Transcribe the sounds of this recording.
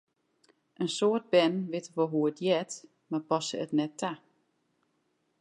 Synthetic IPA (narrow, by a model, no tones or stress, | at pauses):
ʔənsoːt̚bɛnʋɪtəʋɔɦuətjɛt | mapɔsəətnɛtʰːa